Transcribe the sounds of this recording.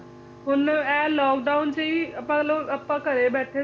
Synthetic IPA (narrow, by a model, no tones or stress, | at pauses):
ɦʊnɛ̃ːlɔːkɖaːʊnt͡ɕɐiɐpãloɐpːãːkɐɾebɛːʈʰe